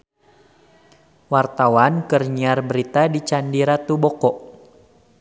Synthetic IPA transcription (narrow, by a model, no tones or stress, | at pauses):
wart̪awankərɲiarbəɾit̪adit͡ʃandiɾat̪ubɔkɔʔ